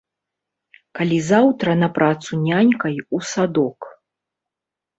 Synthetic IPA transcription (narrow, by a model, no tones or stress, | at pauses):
kalʲizawt̪ɾɐnɐpɾʔat̪sunʲanʲkɐjusad̪ɔk